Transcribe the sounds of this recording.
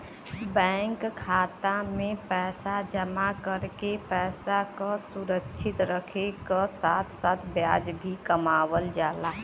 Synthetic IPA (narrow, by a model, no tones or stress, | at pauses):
bɛ̃ːŋkkʰːaːt̪amẽpɛːsad͡ʒəmakəɾkepɛːsakasuɾəkːʃʰɪt̪ɾəkʰekasaːt̪ʰsaːt̪ʰbjaːd͡ʒbʱikəmaːwəld͡ʒaːla